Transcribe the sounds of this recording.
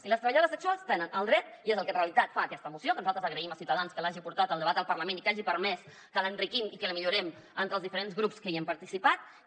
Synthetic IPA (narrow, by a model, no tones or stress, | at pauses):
iləst̪əəʎəðoəzðəksɔst̪enənəlˠdrɛt̪iezəlˠkənreəlit̪at̪faːkɛst̪əmusiokənuzalˠt̪ɾəzəɣɾəiməsiuwt̪əðanskəlaʒipuɾt̪at̪əlˠd̪əβat̪əlˠpərləmẽnikaʒipəɾmɛs | kələnrikimikələmiʎuɾɛm | ənt̪ɾəlˠzðifəɾenzɣɾupskəiəmpəɾt̪isipat̪̚